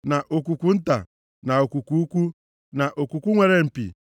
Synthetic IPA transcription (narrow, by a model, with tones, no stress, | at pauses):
na˨ʔo˨ku˨kʷu˨n̩˦ta̰˨ | na˨o˨ku˨ku˦u˦kʷu˦ | na˨ʔo˨ku˨kʷu˦ŋʷe˨ɾe˦m̩˨pḭ˨